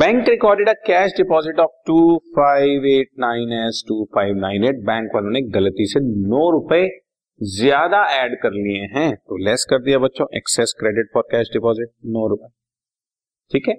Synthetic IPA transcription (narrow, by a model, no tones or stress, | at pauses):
bɛ̃ːŋkɾɪkɔːɾɖeɖakɛːʃɖɪpɔːzɪʈɔːfʈuːfaːɪʋeːʈ̚nãːɪ̃nɛsʈuːfaːɪʋnãːɪneːʈ̚bɛ̃ːŋkʋɐlɦõneɡɐlət̪isenɔːɾʊpe | zjaːd̪aɛːɖkɐɾlieɦɛ̃ːt̪oːlɛskɐɾd̪ijabɐt̪ːʃʰõʔɛ̰ksɛskɾeːɖɪʈ̚fɔɾkɛːʃɖɪpɔːzɪʈ̚nɔːɾʊpe | ʈʰiːkɦɛ̃